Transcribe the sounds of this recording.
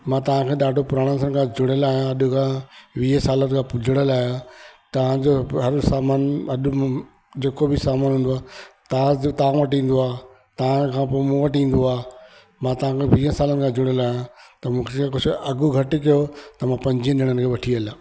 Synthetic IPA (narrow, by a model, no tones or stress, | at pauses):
mãːt̪ɐʋ̤ãkʰeːɗaːɖʱopʊɾaːɽ̃əns̬ən̆kʰãd͡ʑʱʊɽəlaːɦijãɐɗʊkʰãʋiːə̃saːlət̪kʰãːpʊd͡ʑʱɪɽ̃əlaːɦjat̪ɐʋ̤ãd͡ʑoɦɐɾsaːmaːnɐɗ | d͡ʑeːkobʱɪsaːmaːnɦũːn̆d̪oaːt̪ɐãt̪ɐʋãʋɐʈ̬ĩːn̆d̪oaː | t̪ɐʋ̤ãkʰãːpoːmũʋɐʈĩːn̆d̪oaː | mãt̪ɐʋ̤ãkʰeʋiːə̃saːlənɪ̆kʰãd͡ʑʱʊɽ̃əlaːɦjãt̪ɐmũːkʰeek̬ʊd͡ʑʰʱʊɐɡʊɡʱɐʈɪkijot̪ɐmãpɐ̃ɲd͡ʑiə̃nɪɽ̃ənɪ̆kʰeːʋɐʈʰiɐlaː